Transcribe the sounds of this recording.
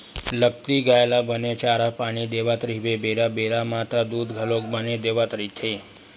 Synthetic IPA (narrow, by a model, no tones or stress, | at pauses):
lək̚t̪iɡaelabənet͡ʃaɾapaɽ̃id̪eʋat̪ɾibebeɾabeɾamat̪ad̪ud̪ɡʱəlok̚bəned̪eʋat̪ɾit̪ʰe